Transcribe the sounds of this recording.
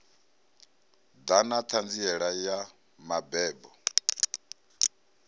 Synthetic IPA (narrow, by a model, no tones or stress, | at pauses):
d̪anat̪ʰand͡ziɛɺaja | mabɛːbɔ